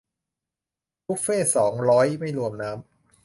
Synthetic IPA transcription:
kʰu˦˥k̚feː˥˩sɔː˩˦ŋɾɔː˦˥jma˥˩jɾu˧əmnaː˦˥m

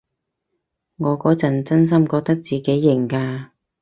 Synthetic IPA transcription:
ŋɔː˨˧kɔː˨˥t͡sɐ˨˩nt͡sɐ˥ns̬ɐ˥mkɔː˧k̚t̪ɐ˥k̚t͡siː˨ke˨˥jːɪ˨˩ŋkaː˧

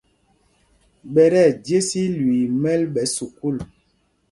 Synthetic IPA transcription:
ɓɛ˨ɾɛ˦˨dje˦si˦lwi˨mɛ˦lɓɛ˨˦su˨ku˦˨l

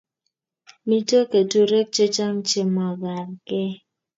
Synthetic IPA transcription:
mi˦to˦ke˨to˦ɾe˦k̚t͡ʃe˦t͡ʃa˦m̩˦t͡ʃe˦mɔ˨ɡa˨ɾke˦

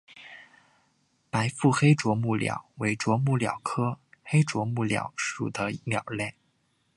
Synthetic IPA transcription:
pa˧˥ɪfu˥˩xe˥ɪʈ͡ʂwɔ˧˥mu˥˩ljɑ̰˨˩˦ʊwe˧˥ɪʈ͡ʂwɔ˧˥mu˥˩ljɑ̰˨˩ʊkʰɤ˥xe˥ɪʈ͡ʂwɔ˧˥mu˥˩ljɑ̰˨˥ʊʂṵ˨˩d̪ə˦˧˥mjɑ˨˩ʊljɛ˥˩

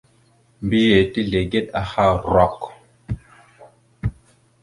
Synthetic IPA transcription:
mbi˦je˨ti˦ɮe˨ɡe˦ta˨ha˦˨ɾɔ˨k

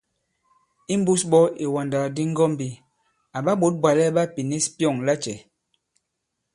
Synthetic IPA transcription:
i˦m˦bu˦sɓɔ˦e˨wa˨nda˨di˦ŋ̩˦ɡɔ˦mbi˨ | a˨ɓa˦ɓo˨˦t̚bwa˨lɛ˦ɓa˦pi˨ne˦spjɔ˦˨ŋla˦t͡ʃɛ˨

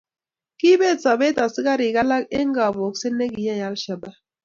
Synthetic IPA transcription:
ki˦be˦˨t͡sa˨be˦ta˨si˦ɡa˦ɾi˨ɡa˦la˦ke˦ŋ̩˦ɡa˨bo˨kse˦ne˦ɡi˨ja˦˨a˦lʃa˨ba˦

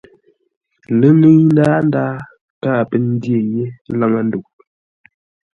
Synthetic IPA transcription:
lə˦lɨ˦n˦daː˦n˦daː˦ | paː˦˨pə˨n̩˦dje˦˨je˦la˦ŋa˨n̩˦du˨ʔ̚

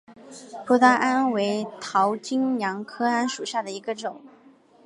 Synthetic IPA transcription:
pʰu˧˥t̪a˥ʔa˥nwe˧˥ɪt̪ʰɑ˧˥ʊt͡ɕi˥ŋjjɑ˧˥ŋkʰɤ˥a˥nʂu˨˩ɕja˥˩d̪ə˩i˧˥ɡə˧ʈ͡ʂʊ˨˩˦ŋ

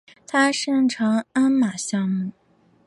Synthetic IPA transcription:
t̪ʰa˥ʂɤ˥˩ŋʈ͡ʂʰɑ˧˥ŋa˥nma˨˩ɕjɑ˥ŋmu˥˩

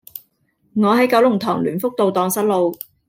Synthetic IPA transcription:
ŋɔː˨˧ɦɐ˨˥jkɐ˨˥wlʊ˨˩ŋt̪ʰɔː˨˩ŋlyː˨˩nfʊ˥k̚t̪o˨wt̪ɔː˨ŋsɐ˥t̚lo˨w

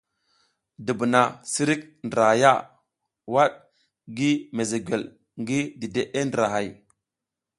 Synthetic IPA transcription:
də˨bə˨na˨si˦ɾi˦k̚ndɾa˨ja˦˨ | wa˦ɗ | ɡi˦me˨ze˨ɡʷe˨l | ŋɡi˦di˨de˦ʔe˦ndə˨ɾa˨ɦa˨j

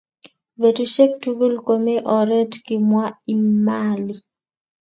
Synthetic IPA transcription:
be˨tu˦ʃe˦k̚tu˦ɡu˦lko˨me˦ʔɔ˨ɾe˦tki˨mwa˦i˨mali˨

